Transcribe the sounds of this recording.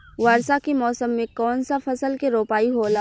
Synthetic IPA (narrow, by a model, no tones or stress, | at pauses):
ʋaːɾsakemɔːsəmːẽkɔːnsafɐsəlkeɾoːpaːiɦoːlaː